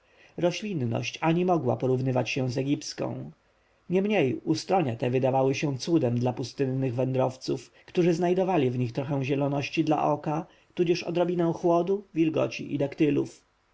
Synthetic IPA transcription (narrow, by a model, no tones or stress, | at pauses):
ɾɔɕlʲinnɔ̰ɕt͡ɕaɲimɔɡwa̰pɔɾuvnɘvat͡ɕɕɛ̃zɛɡʲipt̪skɔ̰̃w̃ | ɲɛmɲejust̪ɾɔɲat̪ɛvɘd̪avawɘɕɛ̃t̪sud̪ɛmd̪lapust̪ɘnːɘɣvɛnd̪ɾɔft̪sufkt̪uʐɘznajd̪ɔvalʲivɲixt̪ɾɔxɛ̃w̃ʑɛlɔnɔɕt͡ɕid̪la̰ʔɔka | t̪ud͡ʑɛʂɔ̰d̪ɾɔbʲinɛw̃xwɔd̪uvʲilɡɔ̰t͡ɕḭʔid̪ɛkt̪ɘlṵf